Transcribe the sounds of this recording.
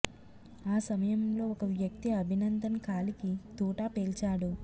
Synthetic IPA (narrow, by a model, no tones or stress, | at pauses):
aːsɐmɐjɐmlo̞ːɔkɐʋjɐk̚t̪iɐbʱinɐnd̪ʱɐnkaːlikit̪uːʈaːpeːlt͡ʃaːɽu